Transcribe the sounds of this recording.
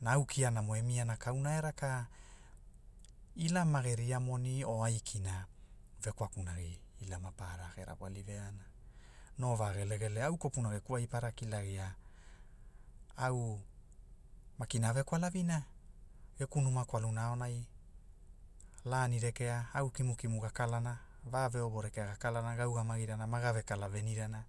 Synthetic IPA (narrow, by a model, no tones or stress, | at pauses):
naːwkʰianamoemianakawnaeɾaka | ilamaɡeɾiamo̞nio̞ajkʰina | ve̞kwakunaɡiːlamapaɾakeɾa̰bwa̰live̞anano̞vaɡele̞ɡe̞leawko̞punaɡe̞kuajpaɾakilaɡia | aw | makinave̞kwalavina | ɡ̥e̞kunumakwalunaonaj | laniɾe̞ke̞aawkimukimuɡakalanavaːve̞obo̞ɾe̞ke̞aɡakalanaɡawɡamaɡiɾanamaɡave̞kalave̞niɾana